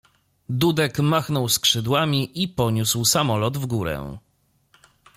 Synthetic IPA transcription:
d̪ud̪ɛkmaxnɔwskʂɘd̪wamʲiʔipɔɲuswsamɔlɔd̪vɡuɾɛ̰

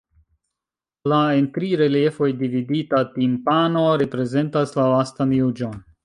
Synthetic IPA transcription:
laentɾiɾe̞liefo̞jdividitatimpano̞ɾe̞pɾe̞ze̞ntaslalastanjud͡ʒon

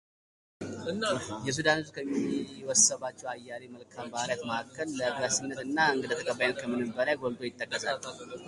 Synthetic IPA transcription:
jɛs̬ud̪anɨzukʰəmːiwɔsːəβat͡ʃːɛwajːaleməlkʰambahaljat̪məʔakːəlːəbɾasinːət̪ɨnːaɨŋɡɨd̪ət̪ʰəkʰʼəβːajnət̪kʰəmɨnɨmbəlajɡold̪ojɪt̪ʼːəkːəsa

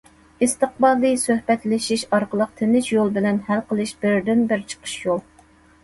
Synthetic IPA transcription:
ɪst̪əq̚bɑlˠɨsøhbɛt̪lɪʃiʃɑɾqəlˠəq̚t̪ʰɪnɪʃjolˠbɪlɛnhælqʰəlˠɨʃbɪɾd̪ɪnbɪɾt͡ʃʰə̥qʰə̥ʃjolˠ

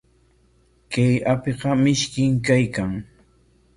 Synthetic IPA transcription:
kajapeqɑmɪʃkɪŋkajkaŋ

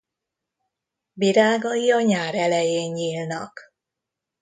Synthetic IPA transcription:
biɾaːɡɒjiɒɲaːɾɛlɛjeːɲɲiːlnɒ̰k

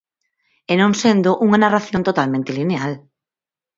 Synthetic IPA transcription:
enõŋsend̪ʊʔuŋanaraθjõnt̪ot̪almẽnt̪ɪlineal

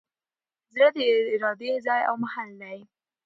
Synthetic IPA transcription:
zɾəd̪əɪɾɑd̪ezɑja̰wmahalːaɾi

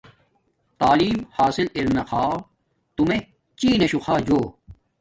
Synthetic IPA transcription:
t̪aːliːmhaːsiliɾnɐxʰaː | t̪ume | t͡ɕiːnɐɕuxʰaːd͡ʑoː

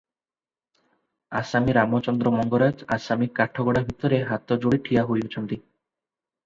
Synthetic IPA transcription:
asamiɾamot͡ɕɔnd̪ɾomɔŋɡoɾad͡ʑa̰samikaɾʈʰːoɡɔɽabʱit̪oɾeɦat̪ːod͡ʑoɽiʈʰijaɦojut͡ɕʰont̪i

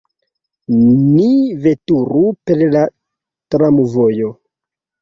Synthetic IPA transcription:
nive̞tuɾupe̞ɾla | tɾamuvojo̞

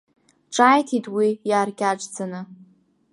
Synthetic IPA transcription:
ʈ͡ʂʼaːjtʰitʰʼwijaːrɡʲaʈ͡ʂd͡zanɨ

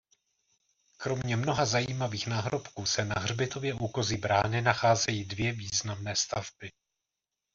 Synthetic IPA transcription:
kɾo̞mɲɛmno̞ɦazajiːmaviːxnaːɦɾo̞pkuːsɛnaɦrbɪt̪o̞vjɛʔuːko̞zɪbɾaːnɪnaxaːzɛjiːdvjɛviːznamnɛːst̪avbɪ

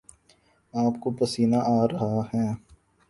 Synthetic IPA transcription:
aːp̚kopəsiːnaʔaːɾɐɦahɛː

